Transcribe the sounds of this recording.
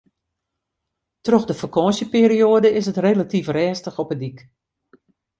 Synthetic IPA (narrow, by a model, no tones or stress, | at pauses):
trɔxdəfərkɔːsjəpeːɾijoːədəɪsətreːlatifrɛːstəxɔpədik